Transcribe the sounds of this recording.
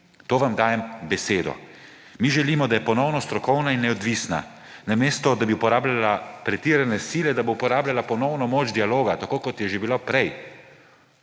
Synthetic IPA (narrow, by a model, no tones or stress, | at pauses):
t̪oːʋamd̪aːjɛmbɛseːd̪ɔ̰ | miʒɛliːmɔd̪ajɛpɔnɔwnɔst̪ɾɔkɔwnainːɛɔd̪ʋisna̰ | nameːst̪ɔd̪abiupɔɾaːblalapɾɛt̪iɾanɛsiːlɛd̪aboupɔɾaːblʲalapɔnɔwnɔmoːd͡ʒd̪ialoːɡat̪akoːkɔt̪jɛʒebilapɾɛj